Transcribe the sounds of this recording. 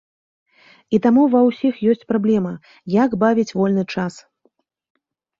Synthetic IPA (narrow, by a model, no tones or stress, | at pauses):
it̪amuvɐwsʲixjɔsʲt͡sʲpɾablʲɛmɐ | jaɡbavʲit͡sʲvɔlʲnɨt͡ʂas